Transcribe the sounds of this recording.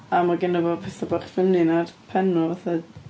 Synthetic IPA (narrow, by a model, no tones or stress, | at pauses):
amaɡɪnəvɔpʰɛθɔbaχfɪmninad̥pʰɛnɔvaθa